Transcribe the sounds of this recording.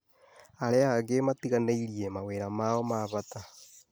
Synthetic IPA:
aɾɛaɣematiɣaneiɾiemaweːɾamaːɔmaːβata

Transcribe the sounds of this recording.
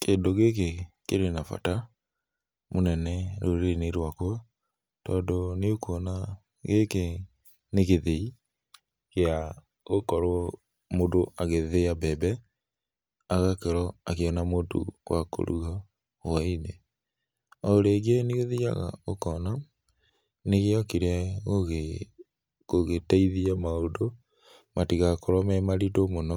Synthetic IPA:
keːndoɣek̬ekeɾwenafa̰ta | monɛnɛɾoɾeneɾwakwa | tɔːndoneokʰɔna | ɣeke | neɣeðei | kea | ɣokɔɾwɔ | modoʔaɣeðeabɛbɛ | aɣakeɾɔakeɔnamotṵwako̰ɾuɣa | waine | ɔoɾeɡeneɣoðija̰ɣa̰okɔna | neɣeɔkiɾeaɣoɣe | koɣetaiðiamaodo | matiɣakɔɾɔmɛmaɾitomonɔ

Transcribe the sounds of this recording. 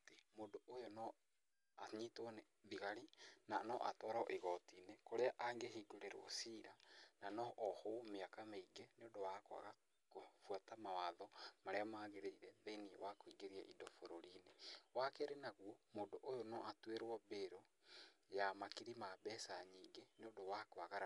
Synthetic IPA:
temoːndoʔojonɔ | aɲitone | ðiɣaɾinanɔʔatɔːɾɔʔeɣɔtiːnekoɾeaʔaŋɡeɦiːɡoɾeɾ̰ɔ̰siːɾananɔʔːhomeakameiɡeneondowakoa̰ɣa | kofwatamawaðɔmaɾeamaːɣeɾeiɾɛðenḭwakoiɡeɾiaʔidɔfoɾoɾiːnewakɛɾenaɣwɔmoːdoʔojonɔʔatweɾwɔbeɾojamakiɾimabɛsaɲiːŋɡeneodowakoaɣaɾ

